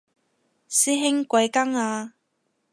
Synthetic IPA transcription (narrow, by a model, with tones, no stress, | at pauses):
siː˥ɦɪ˥ŋkʷɐ˨˧jkɐ˥ŋaː˧